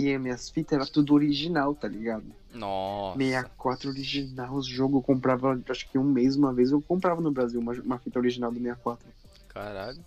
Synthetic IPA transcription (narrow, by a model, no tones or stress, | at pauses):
iɛmẽɐsfit̪ɐɛɾɐt̪ud̪ʊoɾiʒinawt̪aliɡad̪ʊ | nɔmejɐkwat̪ɾɐoɾiʒinawzʒoɡʊewkõpɾavɐwaʃʊ̥kɪũmejzũmɐvejzewkõmpɾavɐnʊbɾaziwũmɐũmɐfit̪ɐoɾiʒinawd̪ɪmejɐkwat̪ɾɐ | kʰaɾaʎʊ